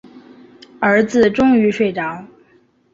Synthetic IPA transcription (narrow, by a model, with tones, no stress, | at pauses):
ə˞˧˥d͡zɹ̩˧ʈ͡ʂʊ˥ŋy˧˥ʂwe˥˩ɪʈ͡ʂɑ˧˥ʊ